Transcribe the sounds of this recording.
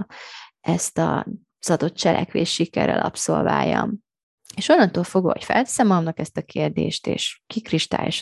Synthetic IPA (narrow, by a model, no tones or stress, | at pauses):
ɛst̪ɒ | z̥ɒd̪o̞t̪̚t͡ʃɛlʔɛkʋeːʃʃikɛrɛ̰lɒpsolva̰ːjːɒ̰m | eːʃonːɒnt̪oːlfoɡo̰ːhocfɛlt̪sɛmɒmnɒkɛst̪ɒkʰeːrd̪ḛːʃt̪ḛːʃkikriʃt̪a̰ːjʃ